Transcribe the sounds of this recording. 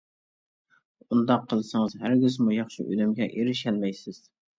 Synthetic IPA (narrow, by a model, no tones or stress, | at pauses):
ʊnd̪ɑqʰːɨlˠsɪŋɨzhæɾɡʲɪzmʊjɑχʃɪ̰ʔø̰lɪmɡʲɛʔeɾɪʃælmæjsɪz̥